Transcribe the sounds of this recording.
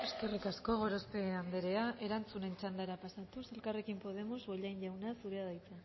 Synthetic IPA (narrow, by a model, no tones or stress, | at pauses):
e̞ske̞rikasko̞ɣ̞o̞ɾo̞spe̞and̪eɾe̞aʔe̞ɾant͡sune̞nt͡ʃand̪aeɾapasat̪use̞lkare̞kimpo̞ð̞e̞mo̞zoʎajnʝawnasuɾe̞aðajt͡sa